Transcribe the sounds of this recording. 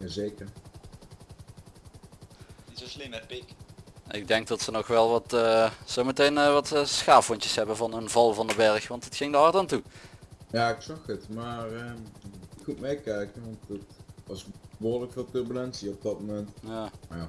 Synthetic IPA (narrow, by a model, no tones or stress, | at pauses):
jaːzejkəɹ | səslinəpɪkʔɪɡ̚dɛŋk̚dɑtsənɔxʋɛlˠʋɑtːsowmətejnəʋɑtːsxaːfʊncə̥sɦɛbənvɑnənvɑlˠvɑndəbɛɹxʋɑntətxɪŋdəɦɑɹtaːntu | jaːɪksɑxətmaːrə | mut̚mejkɛjkənʋɑntətɑsboːɹləkfolˠtøɹbylɛnsiɔb̚dɑt̚momɛntjaːja